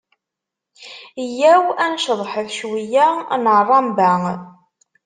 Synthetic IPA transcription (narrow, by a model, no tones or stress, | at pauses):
jæwænʃəðˤħəθʃwijænərˤːɑmbæŋ